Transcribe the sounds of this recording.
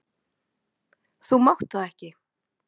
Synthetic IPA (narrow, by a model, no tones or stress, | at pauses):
θumawht̪aðɛhcɪ